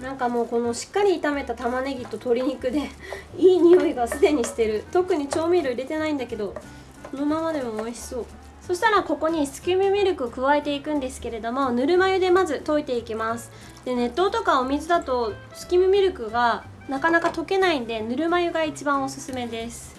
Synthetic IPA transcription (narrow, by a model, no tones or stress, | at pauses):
nãŋkamo̞ːko̞no̞ɕi̥kːaɾʲiːt̪ame̞t̪at̪amane̞ɡʲit̪ːo̞t̪o̞ɾʲiɲ̟ikɯ̟d̪e̞iːɲ̟ijo̞iɡasɨd̪e̞ɲ̟iɕi̥t̪e̞ɾɯ̟t̪o̞kɯ̟ɲ̟it͡ɕo̞ːmʲiɾoiɾe̞t̪e̞naĩnd̪ake̞d̪o̞ | sono̞mamad̪e̞momoiɕi̥so̞ː | so̞ɕi̥t̪aɾako̞ko̞ɲ̟isɨ̥kʲimɯ̟mʲiɾʲɯkɯ̟okɯ̟βae̞t̪e̞ikɯ̟̃nd̪e̞sɨ̥ke̞ɾe̞d̪o̞mo̞nɯ̟ɾɯ̟majɯ̟d̪e̞mazɨt̪o̞it̪e̞ikʲimasɨ̥ | d̪̥e̞ne̞t̪ːo̞ːt̪o̞kaomʲizɨd̪at̪o̞ | sɨ̥kʲimɯ̟mʲiɾɯ̟kɯ̟ɡa | nakanakat̪o̞ke̞naĩnd̪e̞nɯɾɯ̟majɯ̟ɡait͡ɕibãɰ̃o̞sɨsɨme̞d̪e̞sɨ̥